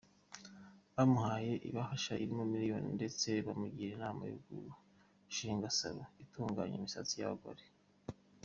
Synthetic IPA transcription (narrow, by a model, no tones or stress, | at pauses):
βamuhaːje̞ʔḭβahaʃaʔiɾimomiɾijo̰ninde̞t͡se̞βamuɡiɾenaːma̰jṵɡṵɾu | ʃiːŋɡasa̰βoituːŋɡa̰ɲomisat͡sija̰βa̰ɡa̰ɾe